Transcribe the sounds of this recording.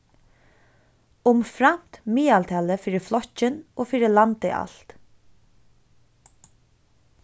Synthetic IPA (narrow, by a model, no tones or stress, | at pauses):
ʊmfɾam̥t̪miːaːlt̪ʰɛːləfiːɾɪflɔt͡ɕɪnoːfiːɾɪlant̪ɪ̰ʔa̰l̥t̪